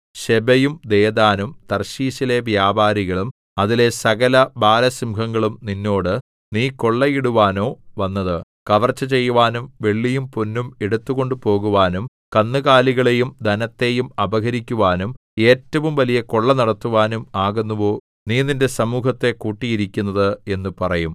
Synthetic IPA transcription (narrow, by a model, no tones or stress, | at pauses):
ɕebɐjumd̪e̞ːd̪aːnumt̪ɐrɕiːɕile̞ʋjaːbaːɾiɣɐɭum | ɐðile̞sɐɣɐlɐbaːlɐsimkɐŋːɐɭumninːo̞ːɽɨ | niːko̞ɭːɐjiɽuʋaːnoːʋɐnːɐðɨkɐʋɐrt͡ɕːɐt͡ɕe̞jːuʋaːnumʋe̞ɭːijumpunːumeɽut̪ːuɣo̞ɳɖupo̞ːɣuʋaːnum | kɐnːɨɣaːliɣɐɭe̞jumd̪ʱɐnɐt̪ːe̞jumɐbɐɣɐɾikʲːuʋaːnum | e̞ːtːɐʋumʋɐlijɐko̞ɭːɐnɐɽɐt̪ːuʋaːnumaːɣunːuʋo̞ː | niːninde̞sɐmuːɦɐt̪ːe̞kuːʈːijiɾikʲːunːɐðɨe̞nːupɐrɐjum